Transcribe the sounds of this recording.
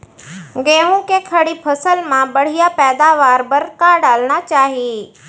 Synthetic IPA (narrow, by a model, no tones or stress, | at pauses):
ɡẽːɦũkekʰɐɽipʰɐsəlmãbɐɽ̤ijapɛːd̪aʋaːɾbɐɾkaːɖaːlɽ̃at͡ɕaːɦi